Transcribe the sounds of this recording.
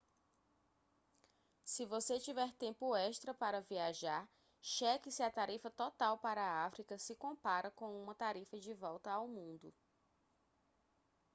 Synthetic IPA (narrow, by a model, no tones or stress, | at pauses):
sɪvoset͡ʃivɛɾt̪ẽmpʊɛʃt̪ɾɐpaɾɐviaʒaɾ | ʃɛkɪsɪɐt̪aɾifɐt̪ɔt̪awpaɾɐːafɾikɐsɪkõpaɾɐkõũmɐt̪aɾifɐd͡ʒɪvɔwt̪ɐawmũnd̪ʊ